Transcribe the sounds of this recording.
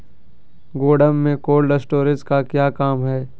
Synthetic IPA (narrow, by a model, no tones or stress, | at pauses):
ɡoːɖəmːẽkoːlɖəsʈoːɾɪskakjaːkaːmɦɛː